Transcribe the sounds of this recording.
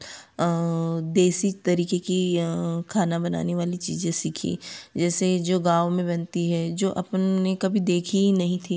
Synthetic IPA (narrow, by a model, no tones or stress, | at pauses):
d̪eːsit̪ɐɾiːkekikʰaːnabɐna̰ːneʋaːlit͡ʃḭːzẽsɪkʰḭd͡ʒɛːsed͡ʒoːɡaːʋmẽbɐnt̪iɦɛd͡ʒoːʔɐpnnekɐbʱid̪eːkʰinɐɦĩt̪ʰi